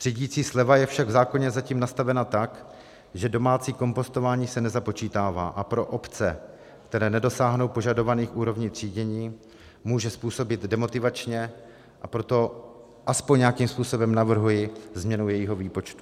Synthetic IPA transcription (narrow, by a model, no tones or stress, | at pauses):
r̥iɟiːt͡siːslɛvajɛfʃaɡvzaːko̞ɲɛzaciːmnast̪avɛnat̪ak | ʒɛdo̞maːt͡siːko̞mpo̞st̪o̞vaːɲiːsɛnɛzapo̞t͡ʃiːt̪aːva̰ːʔapɾo̞ʔo̞pt͡sɛ | kt̪ɛɾɛːnɛdo̞saːɦno̞wpo̞ʒado̞vaniːxʔuːɾo̞vɲiːt̪r̝̥iːɟɛɲiː | muːʒɛspuːso̞bɪt̪dɛmo̞t̪ɪvat͡ʃɲɛ | ʔapɾo̞t̪o̞ | ʔaspoɲɲakiːmspuːso̞bɛmnavr̩ɦujɪzmɲɛnujɛjiɦo̞viːpo̞t͡ʃt̪u̥